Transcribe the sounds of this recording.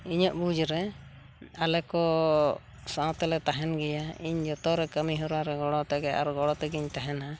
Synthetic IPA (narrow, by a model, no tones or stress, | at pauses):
iɲɔʔbud͡ʒɾɛ | alɛkɔ | saɔ̃t̪ɛlɛt̪aɦɛnɡɛjaiɲd͡ʒɔt̪ɔɾɛkəmiɦɔɾaɾɛɡɔɽɔt̪ɛɡɛa̰ɾɡɔɽɔt̪ɛɡiɲt̪aɦɛna